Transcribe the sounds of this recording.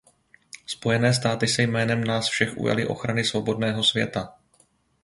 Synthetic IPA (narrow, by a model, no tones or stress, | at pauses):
spo̞jɛnɛːst̪aːt̪ɪsɛjmɛːnɛmnaːsfʃɛxʔṵja̰lɪʔo̞̰xɾanɪsvo̞bo̞dnɛːɦo̞svjɛ̰t̪a